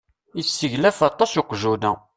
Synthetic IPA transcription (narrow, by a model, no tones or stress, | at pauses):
isːəʝlæfɑt̪ˤːɑsoqʒunæ